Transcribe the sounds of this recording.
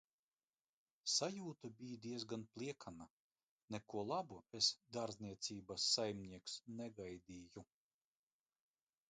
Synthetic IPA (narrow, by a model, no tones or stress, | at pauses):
sajuːt̪abijd̪iɛzɡanplˠiɛkʰana | nɛkuɔlˠabuesd̪aɾzniɛt̪sʲiːbasːajmʲnʲiɛksnɛɡajd̪iːju